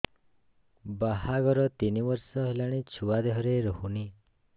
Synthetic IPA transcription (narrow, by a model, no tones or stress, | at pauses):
baɦaɡɔɾɔt̪inibɔɾsɔɦelaɽ̃et͡ʃʰuwad̪eɦɔɾeɾɔɦuni